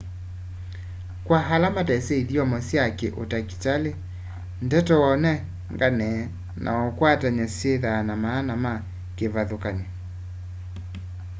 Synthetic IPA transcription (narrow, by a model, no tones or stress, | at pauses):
kwaɦalamatɛsɛiðiɔmɔsiakeʔo̰taki̥tale | ndɛtɔwɔnɛ | ŋɡanɛ | nʔa̰ɔkwataɲaseðanamaːnama | kevaðokaɲe